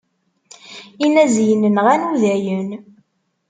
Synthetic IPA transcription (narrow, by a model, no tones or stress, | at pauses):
inæzjənənʁænuðæjən